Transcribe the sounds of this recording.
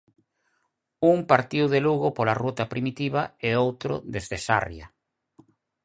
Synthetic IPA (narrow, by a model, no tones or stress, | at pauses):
uŋpaɾt̪iwðeluɣopolarut̪apɾimit̪iβaeowt̪ɾʊ̰d̪ezðesa̰rja̰